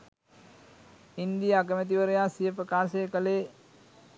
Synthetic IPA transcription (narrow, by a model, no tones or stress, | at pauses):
ind̪ijəakəmət̪̬iʋəɾejaːsijəpɾəkaːseːkəleː